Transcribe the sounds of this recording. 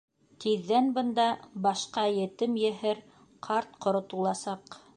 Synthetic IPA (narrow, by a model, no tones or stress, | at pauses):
t̪iðːænbɤ̆nd̪ɑbɑʃqɑjɘ̆t̪ɘmjɘ̆ɦɘɾ | qʰɑɾt̪qŏɾŏt̪ulˠɑsɑq